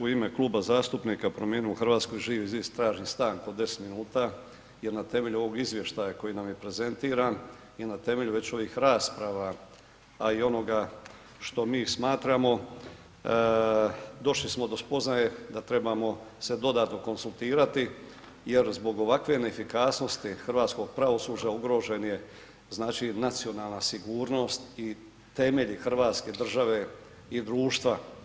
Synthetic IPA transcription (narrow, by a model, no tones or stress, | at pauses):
uime̞klˠuːbazaːst̪upniːkapɾomjenioxr̩ʋaːt̪sko̞jʒiːʋiizist̪ɾaːʒnist̪aːŋko̞d̪ːe̞se̥t̪minuːt̪a | je̞ɾnat̪e̞me̞ʎuoʋo̞ɡizʋje̞ʃt̪ajako̞jinamje̞pɾe̞ze̞nt̪iːɾaːn | inat̪e̞me̞ʎuʋe̞t͡ɕo̞ʋiːxɾaːspɾaʋa | aio̞no̞ɡa | ʃt̪o̞miːsmaːt̪ɾamo̞ | d̪o̞ʃlismo̞d̪o̞spo̞znajed̪at̪ɾe̞bamo̞se̞d̪o̞d̪aːt̪no̞ko̞nsulˠt̪iːɾat̪i | je̞ɾzbo̞ɡo̞ʋakʋe̞nefikaːsno̞st̪ixr̩ʋaːt̪sko̞ɡ̚pɾaʋo̞suːd͡ʒauɡɾo̞ːʒe̞nje̞ | znaːt͡ʃinat̪sio̞naːlˠnasiɡuːɾno̞st̪i | t̪e̞me̞ʎixr̩ʋaːt̪ske̞d̪r̩ʒaʋe̞ | id̪ɾuːʃt̪ʋa